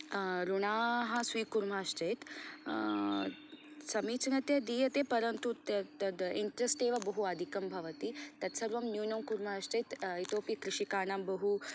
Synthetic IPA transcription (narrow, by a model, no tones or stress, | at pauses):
ɾuɳaːɦɐsʋiːkuɾm̤aːʃt͡ʃɐjt̪ | sɐmiːt͡snɐt̪jɐd̪iːjɐt̪epɐɾɐnt̪ut̪t̪ɐd̪iɳʈɾesʈeːʋɐbɐɦuad̪ʱikɐmbʱɐʋɐt̪iːt̪ɐt̪sɐɾʋɐmnjuːnɐmkuɾmaːʃt͡ʃɐjt̪it̪oːpikɾiʃikaːɳambɐɦu